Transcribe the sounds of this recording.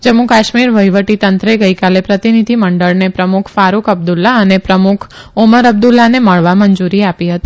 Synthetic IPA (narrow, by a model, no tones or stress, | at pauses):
d͡ʒəmũkaʃmiɾʋəjʋəʈit̪ənt̪ɾəeɡəjkalepɾət̪inid̪ʱiməɳɖəɭnepɾəmukʰfaɾukəb̚d̪ulːaənepɾəmukʰ | uməɾəb̚d̪ulːaneməɭʋaməɲd͡ʒuɾiapiɦət̪i